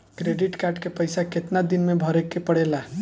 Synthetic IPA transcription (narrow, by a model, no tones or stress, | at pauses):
kɾeɖiʈkaɾʈkepəjsaket̪nad̪inmebʱɔɾekːepəɽ̤ela